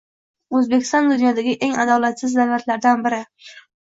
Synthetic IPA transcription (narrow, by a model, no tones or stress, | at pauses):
ɵzbekʲɪ̥st̪ɒnd̪ʊnjɒd̪aɡʲɪʔe̞ŋad̪ɒlat̪sɪzd̪awlat̪laɾd̪anbɪɾɪ